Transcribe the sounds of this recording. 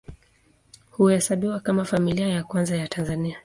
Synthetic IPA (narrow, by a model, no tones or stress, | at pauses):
huɛsaɓiwakamafamiliajakwanzajatʰanzania